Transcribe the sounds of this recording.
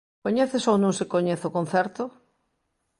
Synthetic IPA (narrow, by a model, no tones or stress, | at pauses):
koɲɛθesownõŋsekoɲeθokõn̟θɛɾt̪o